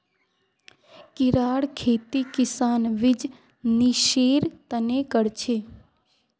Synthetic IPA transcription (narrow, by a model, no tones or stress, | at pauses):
kɪɾaːɽkʰeːt̪ikɪsaːnʋɪd͡ʒ | niʃeːɾt̪ənekəɽt͡ʃʰeː